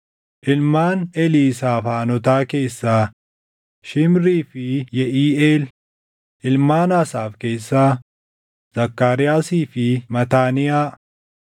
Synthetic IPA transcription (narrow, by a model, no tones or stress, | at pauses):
ʔɪlmaːnɛliːsaːfaːnɔt̪aːke̞ːsːaː | ʃɪmɾiːfɪjɛʔiːeːl | ʔɪlmaːnaːsaːfke̞ːsːaː | z̥ɐkːaːɾɪjaːsiːfɪmɐt̪aːnɪjaː